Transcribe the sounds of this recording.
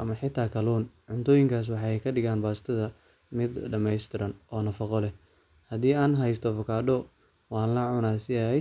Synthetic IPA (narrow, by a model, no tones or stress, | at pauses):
ʔɐmɐħɪt̪ʰaːkʰɐluːnʕʊnt̪ʰɔːjɪŋkʰaːs̬wɑħɑɛjkʰɐɖɪɣaːnbaːst̪ʰɐðɐ | mɪd̪ɖɐmɛjst̪ʰɪɾɐnʔɔːnɐfɐqɔlɛ | hɐd̪iːaːnɦɛjst̪ʰɔfɔkʰaːdɔ | wɑːnlɐʕʊnaːsɪjajɛ